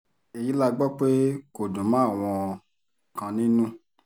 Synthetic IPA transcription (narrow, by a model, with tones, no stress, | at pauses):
e˨ji˨˦la˦˧ɡ͡bɔ˦k͡pe˦ko˨dõ˨mã˨˦a˦˨w̃ɔ̃˧ | kã˧nĩ˦nũ˦